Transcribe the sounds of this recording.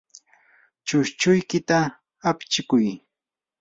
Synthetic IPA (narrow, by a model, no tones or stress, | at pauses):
t͡ʃʊʃt͡ʃʊjkɪt̪aː | pt͡ʃɪkʊj